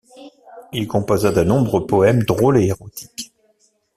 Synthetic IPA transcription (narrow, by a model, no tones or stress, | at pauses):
ilkɔ̃pozad̪ənɔ̃bʁəpɔɛmd̪ʁoleeʁot̪ʰi̥k